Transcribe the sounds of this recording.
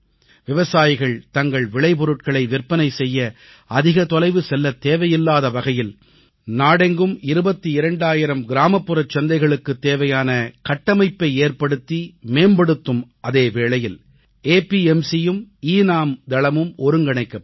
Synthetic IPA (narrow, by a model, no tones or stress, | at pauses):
ʋɪʋɐsaːjɪɣɐɭt̪ɐŋɡɐɭʋɪɭɐɪpɔɾɯʈ̚kɐɭɐɪʋɪrpːɐnɐɪsɛjːɐ | ɐðɪɣɐt̪ɔlɐɪʋɯsɛlːɐt̪eːʋɐjɪlːaːðɐʋɐɣɐjɪl | naːɽɛŋɡɯmɪɾɯbɐt̪ːiɪɾɐɳɖaːjɪɾɐmɡɪɾaːmɐpːɯɾɐt͡ʃːɐnd̪ɐɪɣɐɭɯkːɯt̪ːeːʋɐjaːnɐkɐʈːɐmɐɪpːɐɪeːrpɐɽɯt̪ːimeːmbɐɽɯt̪ːɯmʔɐðeːʋeːɭɐjɪl | eːpiɛmsijɯmiːnaːmd̪ɐɭɐmɯmɔɾɯŋɡɐɳɐɪkːɐ